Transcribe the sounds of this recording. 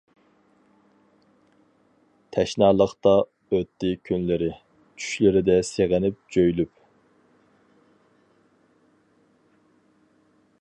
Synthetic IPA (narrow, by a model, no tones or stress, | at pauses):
t̪ʰɛʃnɑːlˠəχt̪ɑ | øt̪ːɪkʲʰynlɪɾɪ | t͡ʃʰy̥ʃlɪɾɪd̪ɛseʁənɪp̚d͡ʒøjlyp